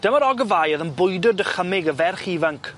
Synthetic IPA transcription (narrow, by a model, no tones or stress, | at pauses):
d̥əməɾɔɡəvajəðənbʊjdʊrdəχəmɪɡəvɛrχiːvaŋkʰ